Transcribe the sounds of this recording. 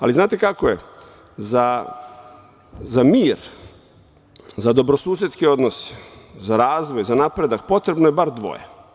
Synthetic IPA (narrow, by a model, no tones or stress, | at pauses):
a̰liznaːt̪e̞kakojḛ | za | zamiːɾ | zad̪o̞bɾosuːs̬jet̪skeo̞d̪nose̥zaɾaːzʋojzanapɾe̞d̪ak̚po̞t̪ɾebnojebaɾd̪ʋo̰jḛ